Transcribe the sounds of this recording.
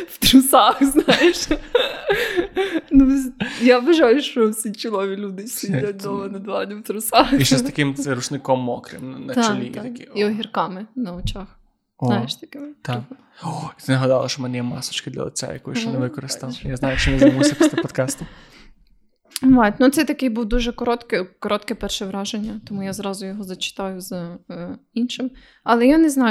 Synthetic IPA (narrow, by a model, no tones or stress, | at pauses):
ft̪ɾusaxznajeʃ | nozjabɛʒajuʃosit͡ʃilˠoʋilʲud̪ɪsʲidat̪ʲd̪omɐnɐd̪ʋanɛʋt̪ɾusaxiʃɛst̪akimzɾut͡ʃnɪkomːokɾɛmnnɐt̪at͡ʃɛlʲḭaakiiɔɦiɾkamɛnɐot͡ʃax | znajʃt̪akɛt̪a | oit̪ɪnɐɦɐd̪ɑlˠɐʃt͡ʃɔmɛnɛjɛmɑsɔ̥t͡ʃkɪd̪lʲɐ̰lˠɪ̰t͡s̪ʲa̰jɐ̰kɔjʃt͡ʃɛnnɛʋɪkɔɾɪst̪ɐwjaznɑjʊt͡ʃɪnɛzmusʲɐpɔst̪ɛpɔt̪kɑst̪ɪ | ʋɑjt̪ʲnut̪sɛt̪ɐkɪjbuwd̪uʒɛkɔɾɔt̪kɪkɔɾɔt̪kɛpɛrʃɛʋɾɑʒenʲːɐt̪ɔmujazɾɑzʊjɔɦɔzɐt͡ʃɪ̥t̪ɑjʊz | inʃɪm | ɐlˠɛjanɛznɑj